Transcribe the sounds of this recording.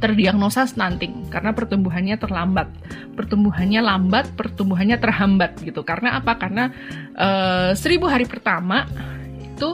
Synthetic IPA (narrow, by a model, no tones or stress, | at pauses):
t̪ərdiaŋnosasənant̪ɪŋkaɾənapərt̪umbuɦanɲat̪ərlambat̪̚ | pərt̪umbuɦanɲalambat̪̚pərt̪umbuɦanɲat̪ərɦambat̪̚ɡit̪ukaɾənaʔapakarna | ʔəːsəɾibuɦaɾipərt̪ama | it̪u